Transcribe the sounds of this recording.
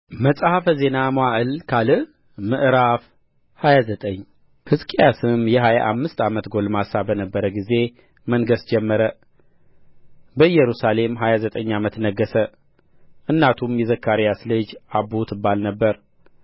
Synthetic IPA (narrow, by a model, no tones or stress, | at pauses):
məsʼhafəze̞namaʔɨlkʰalɨ | mɨʔɾaf | hajazət̪ʼəɲː | hɨskʼijasɨmjɛɦaja̰ʔamːɨst̪ʰamət̪ɡo̞lmasabənəbːəɾəɡize̞ | mənɡəsd͡ʒɛmːəɾə | bəjɛɾusale̞mɦajazət̪ʼəɲːamət̪nəɡːəsə | ʔɨnːat̪ʰumjɛzəkːaɾijaslɨd͡ʒabut̪ʰɨbːalnəbːəɾ